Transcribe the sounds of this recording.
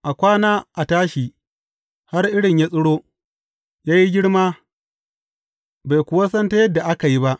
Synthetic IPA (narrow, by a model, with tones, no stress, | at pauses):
ʔa˨kʷaː˦naː˦ʔa˨taː˦ʃi˨ | ha˦rʔɪ˦ɽɪ˨ɲja˦sʼʊ˦ɽoː˦ | jaː˦ji˦ɡʲɪ˦ɽmaː˦ | ba˨jkʷʊ˨wa˦sɐ˦nta˦jɐ˦dːa˨ʔa˦ka˨ji˦ba˦ʔ